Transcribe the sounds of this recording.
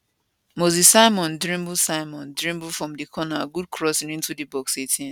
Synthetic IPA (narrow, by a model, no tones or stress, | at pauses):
mozissaɪmɔ̃ndɾĩmbusaɪmɔ̃ndɾĩmbufɾɔ̃mdikʰɔnaɡud̚kʰɹɔsĩnĩntudibɔksetʰĩ